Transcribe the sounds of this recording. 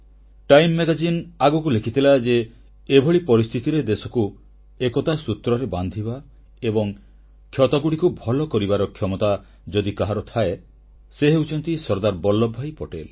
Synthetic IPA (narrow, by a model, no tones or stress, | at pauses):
ʈajmːeɡad͡ʒinaɡɔk̬ulekʰit̪ʰilad͡ʒeː | bʱɔɭipɔɾist̪ʰit̪iɾed̪esɔku | ekɔt̪asut̪ɾɔɾeband̪ʱiba | ebɔŋ | kʰjɔt̪ɔɡuɽikubʱɔlɔkɔɾibaɾɔkʰjɔmɔt̪a | d͡ʒɔd̪ikaɦaɾɔt̪ʰae | seɦeut͡ʃɔnt̪isɔɾd̪aɾbɔlːɔbʱːajpɔʈel